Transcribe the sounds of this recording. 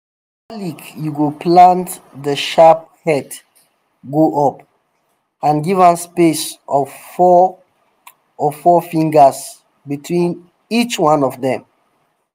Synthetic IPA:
alikjuɡopʰlãntdəʃap̚hɛt | ɡoʔɔp | ãnɡivãnspesɔvfɔ | ɔfɔfĩŋɡəs | bitʰwĩn | it͡ʃwãnɔvdɛ̃m

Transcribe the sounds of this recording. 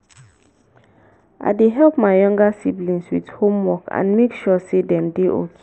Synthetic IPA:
ʔa̰ɪdeɦɛlp̚maɪjɔ̃ŋɡasiblĩnswidhõmwɔkʰã̰nmekʃɔsedɛ̃mdeʔo̰kʰe

